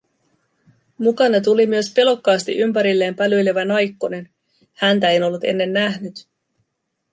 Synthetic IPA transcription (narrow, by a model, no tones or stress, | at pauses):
mukɑnɑt̪̬ulimyø̞spe̞lo̞kːɑːst̪ḭʔympæɾilːe̞ːmpælyjle̞ʋænɑjkːone̞n | hænt̪æeno̞lːut̪e̞̰nːe̞nːæɦnyt̪